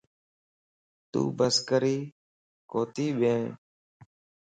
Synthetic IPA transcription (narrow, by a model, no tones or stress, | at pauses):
t̪ṵːbəskəɾiː | koːt̪iːɓẽː